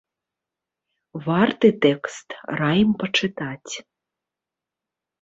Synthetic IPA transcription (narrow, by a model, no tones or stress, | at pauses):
vart̪ɨt̪ɛkst̪rajmpɐt͡ʂɨt̪at͡sʲ